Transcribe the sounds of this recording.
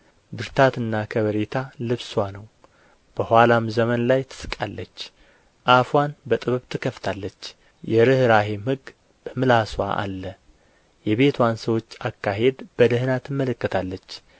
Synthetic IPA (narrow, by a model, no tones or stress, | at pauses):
bɨɾt̪ʰat̪ɨnːakʰəβəɾet̪ʰalɨβswanəw | b̥əhwalamzəmənlajt̪ʰɨ̥sɨ̥kʼalːət͡ʃː | ʔafwanbət̪ʼɨβɨβt̪ʰɨkʰəft̪ʰalːət͡ʃː | jɛɾɨhɾaɦemhɨɡ | b̥əmɨlaswa̰ʔa̰lːə | jɛβe̞t̪ʰwansəwo̞t͡ʃːakːaɦe̞d̪b̥əd̪əhɨnat̪ɨmːələkːət̪ʰalːət͡ʃː